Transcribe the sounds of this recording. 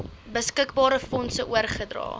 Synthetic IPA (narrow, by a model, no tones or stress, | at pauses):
bəskəkbɑːɾəfɔnsəʔuərχədrɑ̰ː